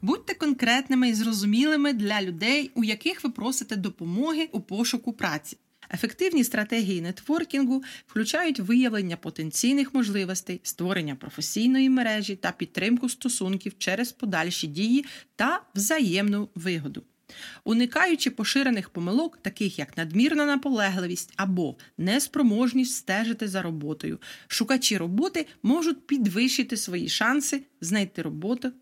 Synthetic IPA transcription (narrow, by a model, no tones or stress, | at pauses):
but̚ʲt̪ɛkɔnkɾɛt̪nɪmɪizrɔzʊmʲilˠɪmɪd̪lʲɐlʲʊd̪ɛjujɐkɪxʋɪpɾɔsɪt̪ɛd̪ɔpɔmɔɦɪʔupɔʃʊkʊpɾɑt͡sʲi̥ | e̞fekt̪ɪwnʲist̪ɾɐt̪ɛɦʲijinɛt̪ʋɔrkʲinɦʊwklʲʉt͡ʃɑjʊtʲʋɪjɐʋlˠenʲːɐpɔt̪e̞nt͡sʲijnɪxmɔʒlˠɪʋɔsʲt̪ɐjst̪ʋɔɾenʲːɐpɾɔfesʲijnɔjimeɾɛʒʲit̪ɐpʲid̪̚t̪ːɾɪmkʊst̪ɔsunkʲiwt͡ʃɛɾezpɔd̪ɑlʲʃidʲijit̪ɐwzɐjɛmnʊʋɪɦɔd̪ʊ | ʊnɪkɑjʊt͡ʃɪpɔʃɪɾenɪxpɔmɪlˠɔkt̪ɐkɪxjɐknɐd̪mʲirnɐnɐpɔlˠɛɦlˠɪʋʲisʲtʲɐbɔnɛspɾɔmɔʒnʲisʲtʲst̪ɛʒɪt̪ɪzɐɾɔbɔt̪ɔjʊ̰ʃʊkɐt͡ʃʲiɾɔbɔt̪ɪmɔʒʊt̚ʲpʲid̪ʋɪʃɪt̪ɪsʋɔjḭʃɑnsɪznɐjt̪ɪɾɔbɔt̪ʊ